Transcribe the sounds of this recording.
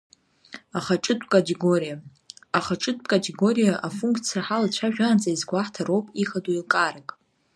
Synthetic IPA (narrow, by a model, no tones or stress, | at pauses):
aχaʈ͡ʂʼɨtʼkʼatʼeɡorija | aχaʈ͡ʂʼɨtʼkʼatʰʼeɡo̞ɾijaʔafuŋkʰʼt͡sʰijaħalat͡ɕʷʰaʒᶣaːnt͡sʼaizɡʷaħtʰaɾowpʼiχaduilkʼaɾakʼ